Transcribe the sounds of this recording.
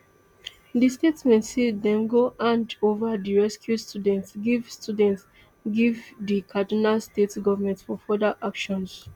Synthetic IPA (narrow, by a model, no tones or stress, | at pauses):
distetsmɛ̃ntsidɛ̃mɡoʔãndovadiɹɛskjustʰudɛ̃ntsɡivstudɛ̃nts | ɡivdikʰadinalstetsɡɔvəmɛ̃ntfɔfɔdaʔakʃɔ̃ns